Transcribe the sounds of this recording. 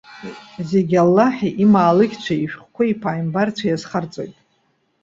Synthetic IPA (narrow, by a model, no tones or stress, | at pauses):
zeɡʲalːaħiʔimaːlɨkʲt͡ɕʷʰaiʃᶣχkʷaipʰaːjmbart͡sʷʰajazχart͡sʼo̰jtʼ